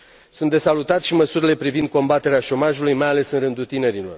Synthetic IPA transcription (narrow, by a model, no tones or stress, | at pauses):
sunt̪d̪e̞salut̪at̪ʃiməsuɾile̞pɾivind̪̚ko̞mbat̪e̞ɾeaʃo̞maʒulujmajale̞sɨnɾɨnd̪ut̪ine̞ɾilo̞r